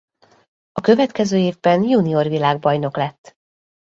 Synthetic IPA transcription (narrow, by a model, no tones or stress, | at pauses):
ɒkø̞vɛt̪kɛzøːeːvbɛnjuːnio̞rvilaːɡ̚bɒjno̞klɛt̪ː